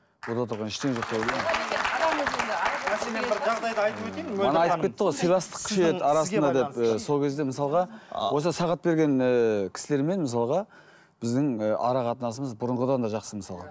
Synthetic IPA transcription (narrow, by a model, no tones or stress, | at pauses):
wod̪ɑt̪ʰəɾʁɑnɪʃt̪eenʒo̞qt̪eld̪ee | eʒɑʁd̪ɑjd̪ɑjt̪əpot̪emɑnɑɑjt̪əpkʰʲe̞t̪ːəʁojsijlˠɑst̪ə̥qkʲʰɪʃeet̪ɑɾɑsənd̪ɑd̪e̞pəso̞lˠkʲʰe̞zd̪e̞məsɑlˠʁɑwo̞səsɑʁɑt̪̚be̞ɾɡʲe̞nəkʲʰɪ̥sɪle̞ɾme̞nməsɑlˠʁɑ | b̥ɪzd̪ɪŋəɑ̰ɾɑqɑt̪ənɑsəməzbʊɾəɴʁəd̪ɑnd̪ɑʒɑqsəməsɑlˠʁɑ̰